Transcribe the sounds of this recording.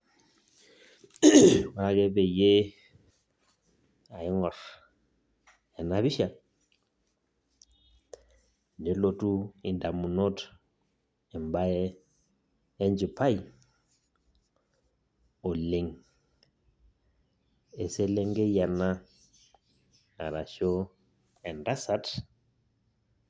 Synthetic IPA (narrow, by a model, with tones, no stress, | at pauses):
ɔ˨ɾa˦kɛ˦bɛ˨je˦ | a˨ɪ˦ŋɔ˨r | jɛ˨na˦βi˦ʃa˨ | nde˨˦lo˨tʼu˦i˨nda˨mu˨no˦t | ɛ˨m˨ba˦ɛ˦ | nd͡ʒi˨pʰa˦i˨ | o˨le˨ŋ | e˨se˦le˦ŋɡe˦ja˨na˦ | a̰˨ɾa˨ʃo˦ | ɛ˨nda˦sa˦t